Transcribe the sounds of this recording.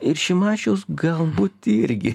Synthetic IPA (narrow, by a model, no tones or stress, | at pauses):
ɪɾʃʲɪmɑːt͡ʃʲoːsɡɐlˠbuːt̪ɪɾʲɡʲɪ